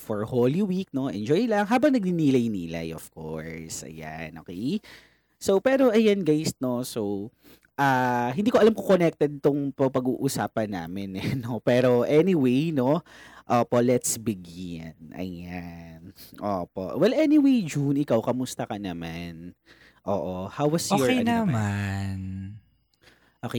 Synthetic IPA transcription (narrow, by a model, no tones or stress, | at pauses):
foɹholiwik̚no̞ʔɛ̰nd͡ʒojlɐŋɦaːbɐŋnɐɡ̚niniːlɐjniːla̰jʔofkoɹsɐ̰ja̰nʔoːkɛj | sowpɛːɾo̞ʔɐjanɡajsno̞sow | ʔaɦɪnd̪iːkoɐlamkokonɛk̚t̪ɛd̪̚t̪ʊŋpɐpɐɡuːʔusaːpɐnːa̰ːmɪnɛnopɛːɾoʔɛniwejno̞ʔoːpoʔlɛt̪sbɪɡɪnɐ̰janʔo̰ːpo̞̰ʔwɛlʔɛniwejd͡ʒunɪkawkɐmʊst̪ɐkɐnɐman | ʔoːʔohawwɐsɔejnɐman | ʔoke